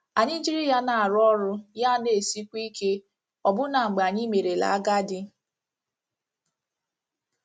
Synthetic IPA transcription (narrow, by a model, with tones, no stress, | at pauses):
a˨ɲɪ˦d͡ʒi˦ɾi˦ja˦na˨a˨ɾʊ˦ɔ˦ɾʊ˦ja˦˨ne˨si˦kʷi˦ke˦ | ɔ˨bʊ˦na˨ŋ͡m̩˨ɡ͡ba˨ɲɪ˦me˨ɾe˨la̰˨a˦ɡa˦dɪ˦